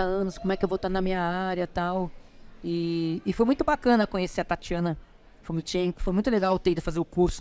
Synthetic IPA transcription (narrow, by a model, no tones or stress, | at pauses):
ɐɐ̃nʊskõmʊ̃ɛkɪewvot̪aɾnɐmĩɲɐaɾjɐt̪awɪːfojmũj̃t̪ʊbakɐ̃nɐkõɲeseɐt̪at͡ʃiɐ̃nɐ | fomĩt͡ʃẽmkʊ̥fojmũj̃t̪ʊleɡawt̪eid̪ʊfazeɾʊkuɾsʊ̥